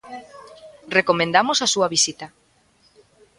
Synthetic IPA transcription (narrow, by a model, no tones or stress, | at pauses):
rekomẽnd̪amosasuɐβisit̪a